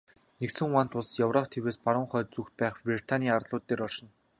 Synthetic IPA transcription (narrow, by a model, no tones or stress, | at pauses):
neksɘ̆ŋwaːnt̪ʰʊɮsjɔwrɔpʰt̪ʰeweːspaɾə̆ŋχœːt̪̚t͡suxt̪̚pæːχprit̪ʰaniːaɾɮʊːt̪ːeːɾɔrʃɪ̆n